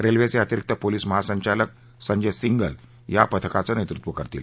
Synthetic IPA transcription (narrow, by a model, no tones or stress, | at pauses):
ɾelʋet͡seət̪iɾik̚t̪əpoliːsməɦasəɲt͡ɕalək̚ | səɲd͡ʑesiŋɡəl | japət̪ʰəkat͡sənet̪ɾut̪ʋəkəɾt̪iːl